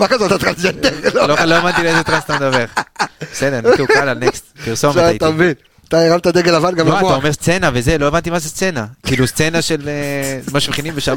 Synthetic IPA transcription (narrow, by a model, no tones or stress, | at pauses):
makazeat̪at̪ʁansent̪elololoevant̪ilezet̪ʁanst̪amd̪aveʁbesed̪enkeukalalnekst̪̚piʁso̞meait̪amevin | at̪aeʁamt̪ad̪eɡelavanɡamoaoaomeʁst͡se̞naveze̞lo̞evant̪imazest͡se̞nakiːlust͡se̞naʃelemaʃmχinimveʃa